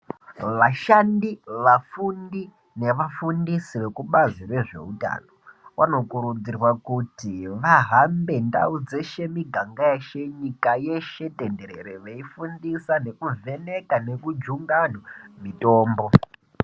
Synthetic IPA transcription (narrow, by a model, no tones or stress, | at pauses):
ʋaʃandiʋafundi | ne̞ʋafundisiʋe̞kuɓazirwe̞ʐe̞̰uta̰ːno̞wano̞kuɾud͡zirwakutiʋaɦambe̞nda̰ud͡ze̞ʃe̞miɡʱaŋɡajeʃe̞ɲikaje̞ʃe̞te̞nde̞ɾeɾeʋeifundisane̞kuvʱe̞ne̞kane̞kud͡ʒuŋɡanwamito̞ːmbo̞